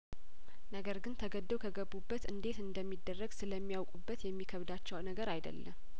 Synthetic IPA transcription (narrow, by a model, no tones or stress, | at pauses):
nəɡəɾɡɨnt̪ʰəɡəd̪ːəwkʰəɡəbːubːət̪ɨnd̪e̞t̪ɨnd̪əmːid̪ːərːəɡsɨləmːijawkʼubːət̪jɛmːikʰəβd̪at͡ʃːɛwnəɡəɾajd̪ə̰lːəm